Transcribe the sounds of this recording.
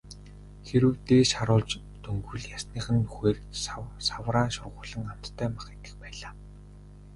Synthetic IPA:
xeɾɘ̆wt̪eːʃaɾʊːɮt͡ɕ | t̪ɵŋɡɵ̆ɮjasniːχɘ̆nːuxeːrsawraːnʃʊrʁʊːɮə̆ŋam̥t̪ʰːœːmaχet̪ɘ̆xpæːɮaː

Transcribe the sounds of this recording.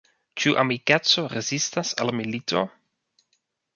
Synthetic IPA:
t͡ʃuʔa̰mikett͡so̞ɾezistasa̰lmilitʰo̞̰

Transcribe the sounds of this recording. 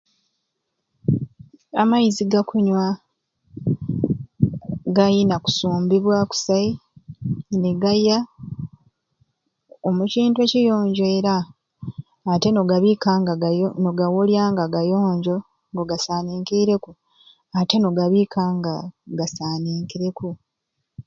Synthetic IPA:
amajiziɡakʰuɲwa | ɡajinaku̥suːmbiβwaku̥sai | neɡaja | omuciːntwecijo̞ːɲɟe̞ːɾa | te̞noɡaβikaːŋɡanoɡawuljaːŋɡaɡajo̞ːɲɟo̞ | ŋɡoɡasaːniːŋkiɾe̞ku | ate̞no̞ɡaβiːkʰaːŋɡaɡasaːniːŋkiɾe̞ku

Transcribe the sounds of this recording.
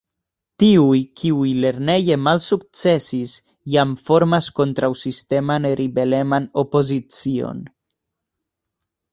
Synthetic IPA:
t̪iujkʰiujleɾnejemalsuk̚t͡sesis | jamfoɾmaskont̪ɾawsist̪emaneriβelemanopozit͡sio̰n

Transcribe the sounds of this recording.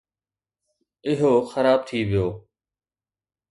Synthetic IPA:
ɪɦoːxəɾaːb̚t̪ʰiːʋɪjoː

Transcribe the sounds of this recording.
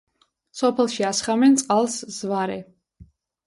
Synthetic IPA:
sɔpʰɛlˠʃiasχamɛnt̪sʼqʼalˠsz̥vaɾɛ

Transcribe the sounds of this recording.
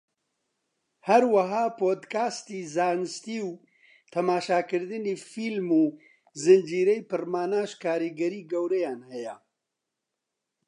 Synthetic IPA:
hɐɾwɐɦaːpoːd̪kʰaːst̪iːzaːnɨst̪iːw | t̪ʰɐmaːʃaːkɨɾd̪ɨniːfiːlmuː | zɨnd͡ʒiːɾɛjpɨrmaːnaːʃkʰaːɾiɡɐɾiːɡɐwɾɛjaːnhɛjɛ

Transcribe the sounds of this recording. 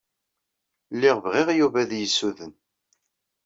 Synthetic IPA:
lːɪʁvʁiʁjuvæðjəsːuðən

